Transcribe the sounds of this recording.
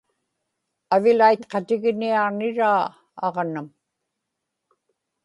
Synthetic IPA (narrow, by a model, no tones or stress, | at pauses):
avɪlaijt̪qɑt̪ɪɣniɑʁnɪɻaː | ɑ̰ʁnam